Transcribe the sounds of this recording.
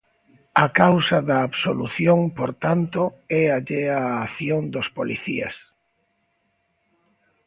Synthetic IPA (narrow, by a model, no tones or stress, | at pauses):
ɐkawsɐðɐːβsolṵθjoŋpoɾt̪ant̪oɛaʎeaːθjond̪ospolḭθiɐ̰s